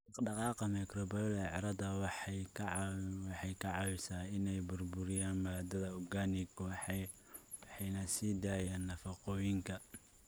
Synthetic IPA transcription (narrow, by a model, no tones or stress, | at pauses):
ɖɑqɑːqɑmɛkrɔbɔlɛʕɾɐdɐ | wɑħɑjkʰɐʕɑwɪsaːɪnɛjbʊrbʊɾɪjaːnmaːd̪ɐðɐʊɡaːnɪɡ | wɑħɑjnɐsiːd̪aːjɛːnːɐfɑqɔːjɪŋkʰɐ